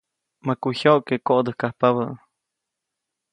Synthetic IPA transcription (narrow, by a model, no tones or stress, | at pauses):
makuçoʔkekoʔd̪əhkahpaβə